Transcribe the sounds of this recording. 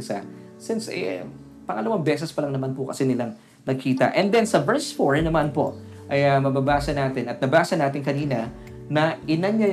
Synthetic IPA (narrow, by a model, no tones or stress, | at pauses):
sa̰sɪnsʔɛ̰ | pɐŋɐlɐwaŋbɛːs̬ɛspɐlɐŋnɐmanpʊkɐsɛnɪlaŋ | nɐɡ̚kʰiːt̪ɐ̰ʔɛnd̪ɛnsɐvɛɹsfoɹnɐmanpo̞ | ʔɐjɐmɐbabaːsɐnaːt̪ɪnɐt̪̚nɐbaːsɐnaːt̪ɪŋkɐniːnɐ | nɐʔɪnɐnɲɐ